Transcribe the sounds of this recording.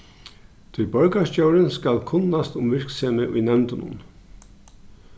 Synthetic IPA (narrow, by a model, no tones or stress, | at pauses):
t̪ʰɪlbœɹkascjowɾɪnskalkʰʊnːast̪ʊmʋɪɹkseːmɪʔʊjnɛmt̪ɪnʊ̰n